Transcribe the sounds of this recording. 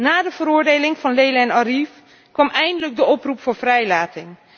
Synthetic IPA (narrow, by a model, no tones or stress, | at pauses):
naːdəvəɾʊːɹdejlɪŋvɑnlejləɛnɑrif | kʋɑmɛjndələɡ̚dəʔɔprupfʊːɹvrɛjlaːtɪŋ